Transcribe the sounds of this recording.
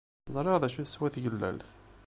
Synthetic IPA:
zˤɾˤeʁðæʃuθəswæθɡəlːæ̰lθ

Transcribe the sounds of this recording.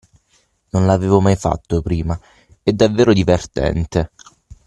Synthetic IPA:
nonlaveːvomajfa̰t̪ːopɾiːma | ɛd̪ːavːeːɾod̪ivert̪ɛ̰nt̪e

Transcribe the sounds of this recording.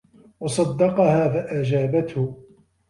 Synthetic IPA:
wɑsˤɑd̪ːɑqɑhaːfaʔad͡ʒaːbat̪hʊ

